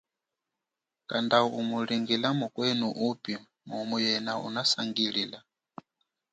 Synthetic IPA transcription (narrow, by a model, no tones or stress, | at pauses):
kandaumuliŋɡilamukwɛnuʔupi | mumujɛnaṵnasaŋɡilila